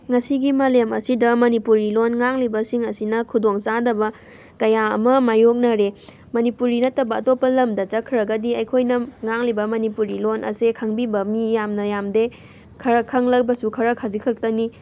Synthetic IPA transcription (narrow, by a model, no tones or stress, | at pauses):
ŋɐsiɡimɐlemɐ̰sidɐmɐnipuɾilonŋaŋlibɐsiŋɐsinɐkʰudoŋt͡ʃadɐbɐ | kɐjaɐ̰mɐmajok̚nɐɾe | mɐnipuɾinɐtːɐbɐːtopːɐlɐmdɐt͡ʃɐkʰːɾɐɡɐdiɐjkʰojnɐŋaŋlibɐmɐnipuɾilonʔɐ̰sekʰɐŋbibɐmijamnɐjamde | kʰɐɾɐkʰɐŋlɐk̚bɐsukʰɐɾɐkʰazikʰɐk̚tɐni